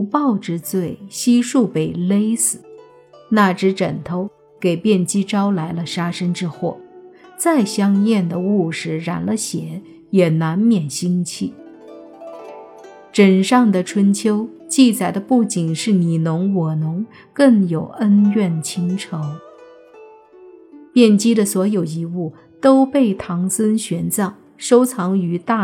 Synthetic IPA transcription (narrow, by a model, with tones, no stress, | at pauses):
u˧˥pɑ˥˩ʊʈ͡ʂɻ̩˥t͡swe˥˩ɪɕi˥ʂu˥˧pe˨˩ɪle˥ɪsɹ̩˨˩˦ | na˥˩ʈ͡ʂɻ̩˧˥ʈ͡ʂə˨˩nt̪ʰo˧˥ʊ | ke˨˩ɪpjɛ˥˩nt͡ɕi˥ʈ͡ʂɑ˥ʊla˧˥ɪlə˧ʂa˥ʂə˥nʈ͡ʂɻ̩˥xwɔ˥˩t͡sa˥˩ɪɕjɑ˥ŋjɛ˥˩nd̪ə˩u˥˩ʂɻ̩˧˩ɻa̰˧˥nlə˧ɕjɛ˧˥˦ | jɛ˨˩na˧˥nmjɛ˨˩nɕi˥ŋt͡ɕʰi˥˩ | ʈ͡ʂə˨˩nʂɑ˥˩ŋd̪ə˩ʈ͡ʂʰwə˥nt͡ɕʰjo˥ʊ | t͡ɕi˥˩t͡sa˨˩ɪd̪ə˦pu˥˩t͡ɕi˨˩nʂɻ̩˥˩ni˨˩nʊ˧˥ŋwɔ˨˩nʊ˧˥ŋ | kɤ˥˩ŋjo˨˩ʊə˥nɥɛ˥˩nt͡ɕʰi˧˥ŋʈ͡ʂʰɤ˧˥ŋ | pjɛ˥˩nt͡ɕi˥d̪ə˨swɔ˧˥jo˨˩ʊi˧˥u˥˩ | t̪o˥ʊpe˥˩ɪt̪ʰɑ˧˥ŋsə˥nɕɥɛ˧˥nt͡sɑ˥˩ŋ | ʂo˥ʊt͡sʰɑ˧˥ŋy˧˥t̪a˥˩